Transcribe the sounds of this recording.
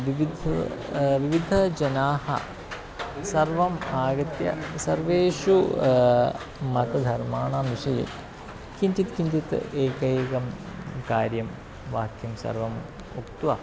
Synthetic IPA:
ʋiʋid̪ʱ | ʋiʋid̪ʱɐd͡ʒɐnaːhɐ̰ | sɐɾʋɐmaːɡɐt̪jɐ̰sɐɾʋeːʂu | mɐt̪ɐd̪ʱɐɾmaːɳaːmiʂɐjḛ | kint͡ʃ̪it̪kint͡ʃ̪it̪eːkɐeːɡɐm | kaːɾjɐm | ʋaːkʰjɐmsɐ̰ɾʋɐm | ukt̪ʋɐ

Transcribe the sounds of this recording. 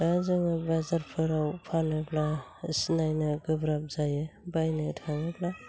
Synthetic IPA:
azɯŋabazaɾpʰɯɾawpʰanɯbla | snajnɯɡɯbɾap̚zajebajnɯtʰaŋɯbla

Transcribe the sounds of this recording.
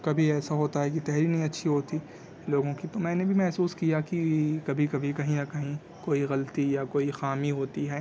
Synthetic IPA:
kɐbʱiɛːsaɦoːt̪aɦɛk̬it̪ɛɦɾinɐɦĩɐtːʃʰiɦoːt̪i | loːɡõkit̪omɛ̃ːnebʱimɛɦsuːskijakikɐbʱikɐbʱikɐɦĩjakɐɦĩ | koːiɣɐlt̪ijakoːixaːmiɦoːt̪iɦɛː

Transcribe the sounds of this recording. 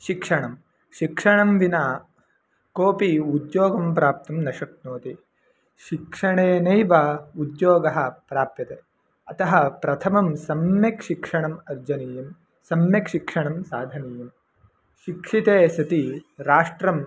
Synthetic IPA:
ʃikʂɐɳɐm | ʃikʂɐɳɐmʋinaː | koːpiud̪joːɡɐmpɾaːp̚t̪ɐmnɐʃɐknoːt̪i | ʃikʂɐɳeːnɐjʋaud̪joːɡɐɦɐ̆pɾaːp̚t̪jɐt̪e | ɐt̪ɐɦɐ̆pɾɐt̪ʰɐmɐmsɐmjɐkʃikʂɐɳɐmɐɾd͡ʒɐniːjɐm | sɐmjɐkʃikʂɐɳɐmsaːd̪ʱɐniːjɐm | ʃikʂit̪eːsɐt̪iɾaːʂʈɾɐm

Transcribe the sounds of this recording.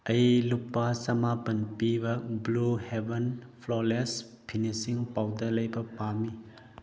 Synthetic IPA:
ɐjlupːasɐmapɐnpibɐbluhebenpʰlɔles | pʰinisiŋpawdɐlɐjbɐpami

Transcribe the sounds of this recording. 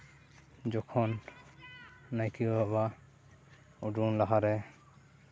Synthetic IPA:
d͡ʒɔkʰɔn | ajkʰiɦɔba | ɔɖunlaɦaɾɛ

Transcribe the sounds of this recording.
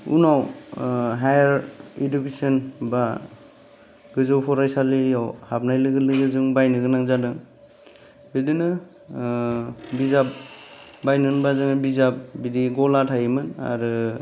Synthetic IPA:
ṵnaw | ɦajaɾedukesɔnba | ɡɯzɔpʰɔɾajsalijawhap̚najlɯɡɯlɯɡɯzɯŋbajnɯɡɯnaŋzadɯŋ | bidɯnɯ | bizap̚bajnɯnbazɯŋbizap̚bidiɡɔlatʰajimɯna̰ɾɯ

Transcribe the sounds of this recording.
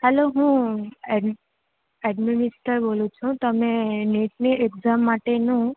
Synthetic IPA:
hɛloɦũɛɖ | ɛɖminɪsʈəɾbolũt͡ʃʰũt̪əmeneʈneeɡzamːaʈenũ

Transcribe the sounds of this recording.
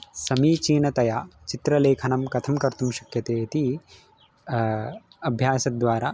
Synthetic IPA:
sɐmiːt͡ʃiːnɐt̪ɐjaːt͡ʃit̪ɾɐleːkʰɐnɐmkɐt̪ʰɐmkɐɾt̪umʃɐ̥kjɐt̪eːit̪i | ɐbʱjaːsɐd̪ʋaːɾɐ

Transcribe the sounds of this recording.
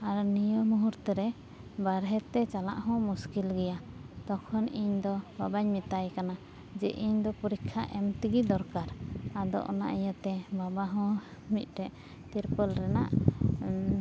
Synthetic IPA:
aɾnijəmuɦuɾt̪ɛɾɛ | baɾɦɛt̪ɛt͡ʃala̰ʔhɔ̃muskilɡɛja | t̪ɔkʰɔniɲd̪ɔbabaɲmit̪ajkana | d͡ʒɛʔiɲd̪ɔpuɾikʰːaʔɛmt̪iɡid̪ɔɾkaɾad̪ɔ̰ʔɔna̰ʔijat̪ɛbabaɦɔ̃ | mit̪̚ˀɾɛʔ | t̪iɾpəlɾɛna̰ʔ

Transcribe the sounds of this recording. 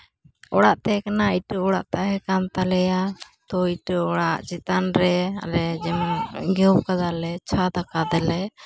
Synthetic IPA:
ɔɽaʔt̪ɛkanaiʈəɔɽa̰ʔt̪aɦɛkamt̪alɛjat̪ɔiʈəɔɽaʔt͡ʃɛt̪anɾɛa̰lɛd͡ʒɛmɡɛwpkad͡ʒalɛt͡ʃʰad̪akad̪ɛlɛ

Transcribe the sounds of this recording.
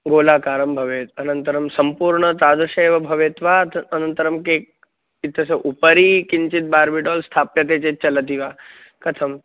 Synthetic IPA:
ɡoːlaːkaːɾəmbʱɐʋeːt̪ɐnənt̪əɾɐmsɐmpuːɾɳət̪aːd̪uʃeːʋɐbʱɐʋeːt̪ʋat̪ʰɐnənt̪əɾɐmkek̚ | it̪ʰːɐseʔupəɾiːkiɲt͡ʃit̪̚baːɾbiɖɔːlst̪ʰaːpjɐt̪̬eːt͡ʃet͡ʃɐlət̪̬iʋaː | kɐt̪ʰɐm

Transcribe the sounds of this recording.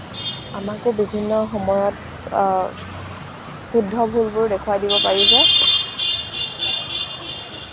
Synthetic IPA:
amakʊbibʱinːɔxɔmɔjɔt | xudʱːɔbʱulbʊɹdɛkʰuwadibɔpaɹizɛ

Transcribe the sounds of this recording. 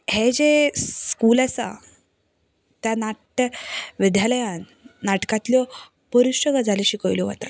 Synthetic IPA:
hed͡ʑeskulasa̰ | t̪janaʈ | ʋid̪ʱjaləjanː | aʈkãt̪ljɔ | pəɾuɕəɡad͡zʱaleɕikəjljɔʋa̰t̪a

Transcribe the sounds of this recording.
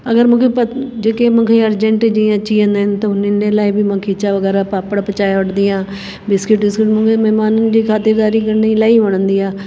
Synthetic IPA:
əɡəɾmʊ̃keːpəd͡ʒeːkeːmə̃kʰeːəɾd͡ʒəɳʈed͡ʒĩət͡ʃːiːə̃nd̪ent̪oʊnineːlaːiːbiːmə̃kʰiːt͡ʃaːʋəɡɛːɾaːpaːpəɽpət͡ʃaːjʊʈd̪iːãː | bɪskɪʈbɪskɪʈmʊ̃keːmɛːmaːnənd͡ʒiːkʰaːt̪ɪɾd̪aːɾiːkəɾniːlaːiːbəɳ̃nd̪iːaː

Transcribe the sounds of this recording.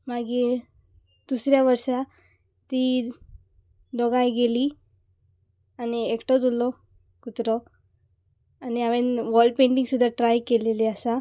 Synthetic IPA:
maɡiːɾ | d̪̥usɾjaʋəɾʂa | t̪iː | d̪ɔɡãjɡeliː | aniekʈɔt̪ulɔ | kut̪ɾɔ | aniaʋẽnʋɔlɖpẽɳʈĩŋɡsud̪ʱːaʈɾajkeleleasa

